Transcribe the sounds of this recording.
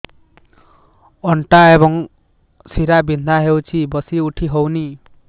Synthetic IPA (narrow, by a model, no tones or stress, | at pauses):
ɔɳʈaeβɔŋ | siɾabind̪ʱaɦewt͡ʃʰibʌsiuʈʰiɦowni